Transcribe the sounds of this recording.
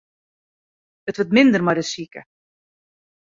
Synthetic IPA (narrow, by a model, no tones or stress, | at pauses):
ətvətmɪnd̪ərmajdəsiːkə̰